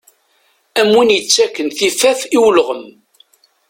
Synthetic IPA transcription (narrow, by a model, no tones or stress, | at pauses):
æmwinjət͡sːækːənθifæfiwlʁəm